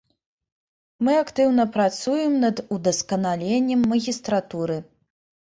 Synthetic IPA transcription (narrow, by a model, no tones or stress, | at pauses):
mɨakt̪ɨwnɐpɾat̪sujɛmnɐd̪ud̪ɐskɐnalʲenʲːɐmːɐɣʲist̪ɾat̪uɾɨ